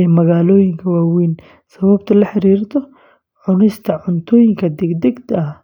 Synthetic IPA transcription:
ɛmɐɣaːlɔːjɪŋkʰɐwaːwiːn | sɐβɐbt̪ʰɐlɐħɑɾiːrt̪ʰɔ | ʕʊnɪst̪ʰɐʕʊnt̪ʰɔːjɪŋkʰɐd̪ɛɡd̪ɛɡt̪ɐ

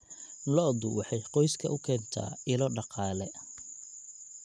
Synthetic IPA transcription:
lɔd̪ʊwɑħɑjqɔjskʰɐ̰ʔʊkʰɛːnt̪ʰa̰ːɪlɔɖɑqɑːlɛ

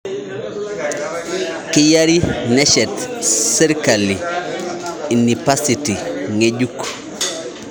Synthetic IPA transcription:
kijaɾinɛʃɛtsiɾkali | inipasitiŋeɟuk

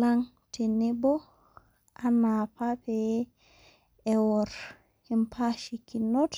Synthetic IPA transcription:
laŋ | tinibɔ | ʔanapapɛ | ɛwɔɾ | impʰaʃikinɔt

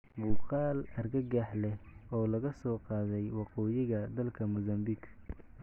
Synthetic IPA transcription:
bʊːqɑːlɐrɡɐɡaħlɛhɔːlɐɣɐsɔːqɑːðɛjwɑqɔːjɪɣɐd̪ɐlkʰɐmʊzɐmbiɡ

